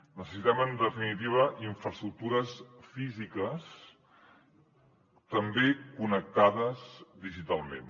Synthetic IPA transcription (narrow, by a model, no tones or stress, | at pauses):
nəsəsit̪ɛmənd̪əfinit̪iβəʔiɱfɾəst̪ɾuk̚t̪uɾəsfizikəs | t̪əmbekunək̚t̪aðəzðiʒit̪alˠmḛn